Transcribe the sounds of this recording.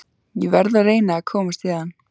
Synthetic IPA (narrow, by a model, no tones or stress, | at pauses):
jɛvɛɾðareːjnaːkʰɔːmast̪vɪːan